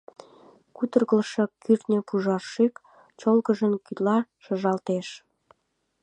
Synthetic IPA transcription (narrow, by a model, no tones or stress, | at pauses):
kut̪ə̆rɣəlʃɤ̆kːyrt̪nʲə̆puʒɑrʃik | t͡ɕolɣə̆ʒə̆nkyt̪lɑʃə̆ʒɑlt̪eʃ